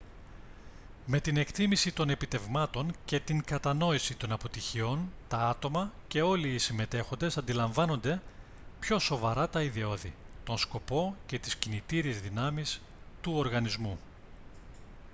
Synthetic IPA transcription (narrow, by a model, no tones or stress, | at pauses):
me̞t̪ine̞kt̪imisit̪o̞ne̞pit̪e̞vmɐt̪o̞nce̞t̪iŋkɐt̪ɐno̞isit̪o̞nɐpo̞t̪içio̞nt̪ɐɐt̪o̞mɐce̞o̞liːsime̞t̪e̞xo̞nd̪e̞sɐnd̪ilɐɱvɐno̞nd̪e̞ | pço̞so̞vɐɾɐt̪ɐiðio̞ðit̪o̞nsko̞po̞ce̞t̪i̥scinit̪iɾiezðinɐmis | t̪uo̞ɾɣɐnizmu